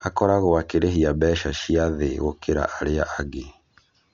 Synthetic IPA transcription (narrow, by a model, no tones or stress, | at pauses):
akɔɾaɣoakeɾeɦiabɛːʃaʃiaðeɣokeɾa̰ʔaɾeaʔaɡe